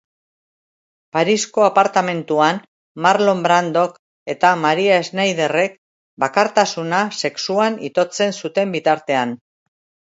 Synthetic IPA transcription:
paɾisko̞apaɾt̪ame̞nt̪uan | maɾlo̞mbɾand̪o̞k | e̞t̪amaɾiaeznajð̞e̞re̞k̚ | bakaɾt̪asunase̞ksuanḭt̪o̞t͡se̞nsut̪e̞mbit̪aɾt̪e̞an

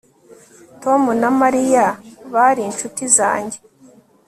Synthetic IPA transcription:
to̞munamaɾijaβaɾiːnt͡ʃutiza̰ːɲɟe̞

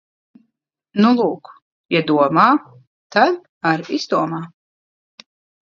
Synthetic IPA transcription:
nulˠuːk | jad̪uɔmaː | t̪ad̪ | aɾiz̥d̪uɔmaː

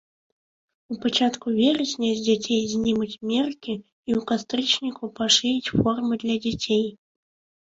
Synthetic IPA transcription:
upat͡ʂat̪kuvʲɛɾɐsʲnʲɐzʲd͡zʲat͡sʲejzʲnʲimɐt͡sʲmʲɛrkʲi | iukast̪ɾɨt͡ʂnʲikupaʂɨjʲit͡sʲfɔrmɨd̪lʲɐd͡zʲat͡sʲej

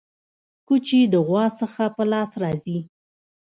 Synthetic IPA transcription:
kut͡ʃid̪əɣwɑsəxapəlɑsɾɑzi

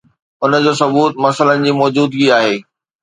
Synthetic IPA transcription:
ʊnə̆d͡ʑoːsɐbuːt̪mɐsələnɪ̆d͡ʑiːmɔːd͡ʑuːd̪ɡiaːɦeː

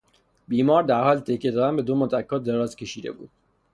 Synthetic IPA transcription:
biːmɒːɾd̪æɾhɒːlt̪ʰecʰːed̪ɒːd̪ænbe̞d̪omot̪ʰækʰːɒːd̪eɾɒːzcʲʰe̞ʃiːd̪e̞̰bṵːd̪̥̚

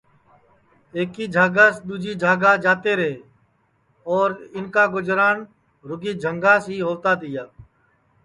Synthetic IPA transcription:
eːkiːd͡ʒʱaːɡaːsd̪uːd͡ʒʱiːd͡ʒʱaːɡaːd͡ʒaːt̪eːɾəɦeː | ɔːɾɪnkaːɡʊd͡ʒɾaːn | ɾʊɡiːd͡ʒʱəŋɡãːsiːɦoːt̪aːd̪ɪjaː

